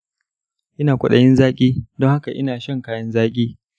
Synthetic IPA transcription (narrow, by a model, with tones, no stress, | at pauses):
ʔɪ˦naː˨kʷʊ˨ɗɐ˦jɪ˦nzaː˦kʲʼiː˦dɔ˦ŋha˦ka˨ʔɪ˦naː˨ʃɐ˦ŋkaː˦jɐ˦nzaː˦kʲʼiː˦